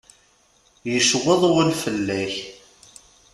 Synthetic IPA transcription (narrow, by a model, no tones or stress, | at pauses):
jəʃwəðˤwəlfəlːæç